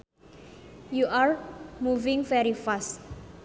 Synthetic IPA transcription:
juʔarmuvɪ̃ŋvɛɾifas

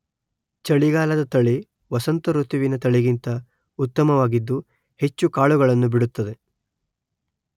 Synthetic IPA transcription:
t͡ʃɐɭiɡaːlɐd̪ɐt̪ɐɭi | ʋɐsɐnt̪ɐɾut̪iʋinɐt̪ɐɭiɡint̪ɐ | ut̪ːɐmɐʋaːɡid̪ːu | he̞t͡ʃːukaːɭuɡɐɭɐnːubiɽut̪ːɐd̪e̞

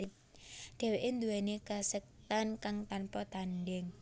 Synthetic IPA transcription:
ip̚ | ɖ̪̥ɛ̤weʔend̪uwɛnekasɛk̚t̪ankaŋt̪anpɔt̪anɖɛŋ

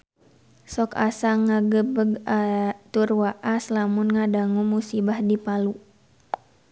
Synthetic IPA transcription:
sɔka̰saŋaɡəbəɡat̪urwaʔaslamunŋadaŋumusibahdipalu

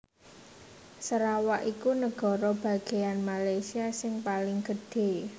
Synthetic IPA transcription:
səɾawaʔikunəɡ̥ɔ̤ɾɔb̥a̤ɡ̥e̤janmalajsiasɪŋpalɪŋɡ̥əɖ̥e̤

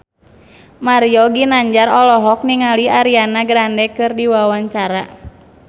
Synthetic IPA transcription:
maɾjɔɡinaɲd͡ʒaɾɔlɔɦɔk̚niŋaliaɾianaɡɾandɛkɨrdiwawaɲt͡ʃaɾa

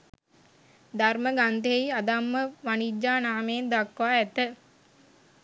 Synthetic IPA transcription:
d̪arməɡand̪eeiad̪amːəʋanid͡ʒːaːnaːmeːnd̪akʋaːɛt̪ə

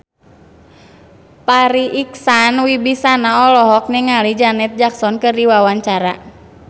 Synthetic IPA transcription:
paɾiʔiksanwibisanaɔlɔɦɔk̚niŋalid͡ʒanɛt̪̚d͡ʒaksɔnkɨrdiwawaɲt͡ʃaɾa

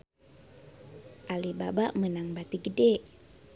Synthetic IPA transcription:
ʔalibabaʔmənaŋbat̪iɡədɛʔ

